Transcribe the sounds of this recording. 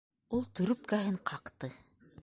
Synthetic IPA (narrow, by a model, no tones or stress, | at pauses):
ulˠt̪ɵ̆ɾɵp̚kæɦɘɴqʰɑqt̪ɤ